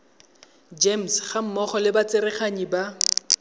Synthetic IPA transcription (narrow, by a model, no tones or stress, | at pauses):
d͡ʒem̩sχam̩mɔχɔlɪbat͡sɪɾɪχaɲiba